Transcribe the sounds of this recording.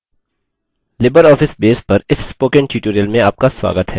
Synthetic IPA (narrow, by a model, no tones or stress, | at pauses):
lɪbəɾɔːfɪsbeːspɐɾɪsːpoːkɛ̃nʈjuːʈoːɾijəlmẽaːp̚kaswa̰ːɡət̪ɦɛː